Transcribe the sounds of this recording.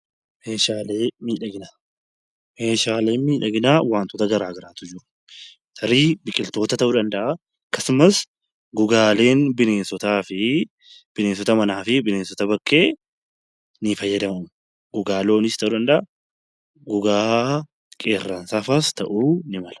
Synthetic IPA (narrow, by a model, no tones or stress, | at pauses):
meːʃaːleːmiːᶑɐɡɪnaː | meːʃaːleːnmiːᶑɐɡɪnaːwaːnt̪ɔt̪ɐɡɐɾaːɡɐɾaːt̪ʊd͡ʒɪɾ | t̪ʰɐɾiːbɪkʼɪlt̪o̞ːt̪ɐt̪ɐʔuːᶑ̪ɐnd̪ɐʔa | kɐsʊmɐs | ɡʊɡaːle̞ːnbɪneːnsɔt̪aːfɪ | b̥ɪne̞ːns̬ɔt̪ɐmɐnaːfɪbɪneːnsɔt̪ɐbɐkʼːe̞ː | nɪfɐjːɐd̪ɐmɐm | ɡ̥ʊɡaːlo̞ːnɪst̪ɐʔuːᶑ̪ɐnd̪ɐʔa | ɡʊɡaː | kʼe̞ːrːɐnsaːfast̪ɐʔuːnɪmɐlɐ̥